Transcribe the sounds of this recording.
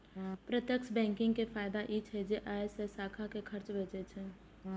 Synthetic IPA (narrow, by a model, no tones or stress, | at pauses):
pɾət̪jəkʃbɛ̃ːŋkɪ̃ŋɡkepʰaːɪd̪aʔit͡ʃʰɛd͡ʒeʔaesesaːkʰakekʰəɾt͡ʃbʱeːt͡ʃet͡ʃʰɛ